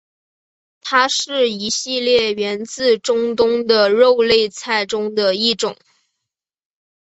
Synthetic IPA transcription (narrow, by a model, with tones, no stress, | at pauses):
t̪ʰa˥ʂɻ̩˥˩i˧˥ɕi˥˧ljɛ˥˩ɥɛ˧˥nt͡sɹ̩˥˧ʈ͡ʂʊ˥ŋt̪ʊ˥ŋd̪ə˨ɻo˥˧ʊle˥˧ɪt͡sʰa˥˩ɪʈ͡ʂʊ˥ŋd̪ə˨i˥˩ʈ͡ʂʊ̰˨˩˦ŋ